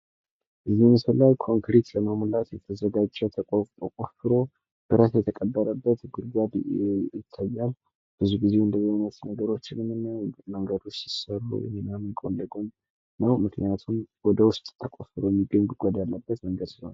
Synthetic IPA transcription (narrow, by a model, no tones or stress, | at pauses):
ʔɨzːihməsəlːajkʰo̞ŋkɾit̪ləmamlat̪jɛt̪ʰəzəɡad͡ʒt͡ʃːɛwt̪ʰəkʼot̪ʼokʼofɨɾo̞ | b̥ɨɾasjɛt̪ʰəkʼəbːəɾəbːət̪ɡɨɾɡabejɪt̪ʰːajːal | b̥ɨzuɡize̞ɨnd̪əzinət̪nəɡəɾo̞t͡ʃːɪnmɨnːəwməŋɡəd̪ot͡ʃːsi̥sərṵjɛ̰ninamikʼo̰lːəɡun | nəwmɨknijat̪ʰumwɔd̪əwʊst̪ʼt̪ʰːəkʼofɨɾojɛmːiɡːəɲɡuɡʷod̪alːəbːət̪məŋɡəd̪sihona